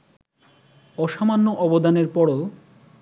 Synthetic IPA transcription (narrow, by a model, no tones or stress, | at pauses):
ɔʃamanːoʔɔbod̪aneɾpɔɽo